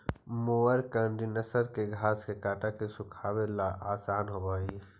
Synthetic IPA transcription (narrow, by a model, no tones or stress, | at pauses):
mʊʋəɾkaɳɖinəsəɾkeɡʱaːskekaːʈakesʊkʰaːwelaʔaːsaːnɦobaːi